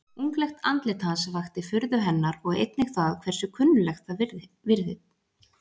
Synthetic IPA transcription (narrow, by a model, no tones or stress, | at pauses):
uŋklɛxt̪a̰nt̪lɪt̪ʰasvaxt̪ɪfʏɾðʏɦɛnːaɾɔɣḛjt̪nɪxθakʰv̥ɛr̥sʏkʰʏnːʏlɛxt̪θa | vɪɾðɪt̪